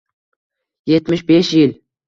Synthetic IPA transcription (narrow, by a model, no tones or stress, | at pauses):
jet̪mɪʃbeʃjɪl